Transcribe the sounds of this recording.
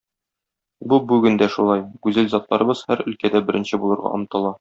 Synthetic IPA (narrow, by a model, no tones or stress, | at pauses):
bubʉɡɘnd̪æʃulˠɑjkʉzɘlzɑt̪lˠɑɾɤ̆bɤz̥hæɾɵ̆lkæd̪æbɘ̆ɾɘ̆nɕɘbulˠɤ̆ɾʁɑ̰ɒ̰mt̪ɤ̆lˠɑ